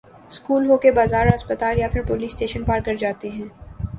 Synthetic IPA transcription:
skuːlɦoːkebaːzaːɾɐspət̪aːljapʰɪɾpoːliːsːʈeːʃənpaːɾkɐɾd͡ʒaːt̪eɦɛ̃ː

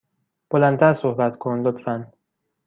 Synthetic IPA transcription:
b̥olænt̪ʰæɾsohbæt̪kʰonlot̪ʰfæn

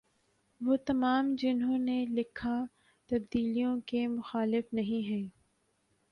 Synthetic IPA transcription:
ʋoːt̪ɐmaːmd͡ʒɪnɦõnelɪkʰa | t̪ɐb̚d̪iːlijõkemʊxaːlɪfnɐɦĩɦɛ̃ː

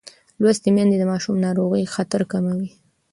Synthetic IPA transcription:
lwast̪emjand̪ed̪əmɑʃumnɑɾoɣəjxat̪aɾkamawi

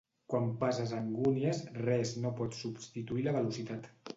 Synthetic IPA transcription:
kwampazəzəŋɡuniəzrɛznopɔt̪subst̪it̪uiləβəlusit̪at̪

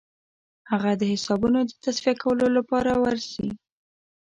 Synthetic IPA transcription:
haɣad̪əhɪsɑbunod̪ət̪asfiakawəlolapɑɾawaɾsi

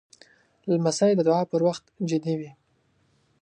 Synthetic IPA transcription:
lamasajd̪əd̪ʊɑpəɾwaxt̪d͡ʒɪd̪iwi

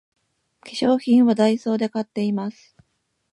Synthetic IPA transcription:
kʲi̥ɕo̞ːçʲĩɰ̃βad̪aiso̞ːd̪e̞kat̪ːe̞imasɨ̥

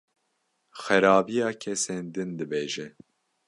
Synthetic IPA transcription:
xɛɾɑːbijɑːkʰɛseːnd̪ɨnd̪ɨbeːʒɛ

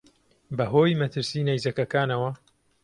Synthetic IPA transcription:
bɐɦoːjmɐt̪ʰɨɾsiːnajzɐkɐkaːnɐwɐ

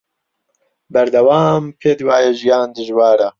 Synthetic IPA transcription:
bɐɾd̪ɐwaːmpʰeːd̪waːjɛʒijaːnd̪ɨʒwaːɾɐ

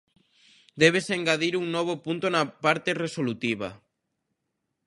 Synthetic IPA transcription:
d̪ɛβ̞eseŋɡaðiɾuŋnɔβ̞opunt̪onapaɾt̪eresolut̪iβa̰

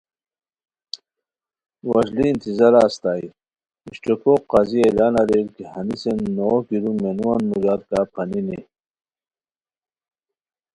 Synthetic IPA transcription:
wɐʑliːnt̪izɐɾaːst̪aːḭ | iɕʈekoqɑzielaːnɐɾelkihɐnisenːokiɾumenuwanmud͡ʑaɾkaːpʰɐninḭ

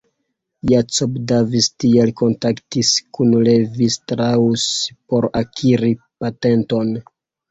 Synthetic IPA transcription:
jat͡sobdavistielko̞ntaktiskunlevistɾauspo̞ɾakʰiɾi | pate̞nto̞n

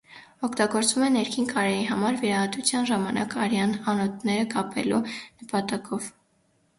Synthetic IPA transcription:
ɔkʰt̪ɑɡɔɾt͡svumɛnɛɾkʰinkʰɑɾɛjiɦɑmɑɾviɾɑhɑt̪ut͡sʰjɑnʒɑmɑnʔɑ̰kɑɾjɑnɑnɔt̪̚ʰnɛɾəkɑpʰɛ̰lunəpɑt̪ɑkʰɔv

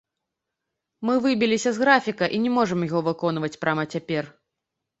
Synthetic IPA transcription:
mɨvɨbʲilʲisʲɐzɣɾafʲikɐʔinʲɛmɔʐɐmjaɣɔvɨkɔn̪vɐt͡sʲpɾamɐt͡sʲapʲɛr

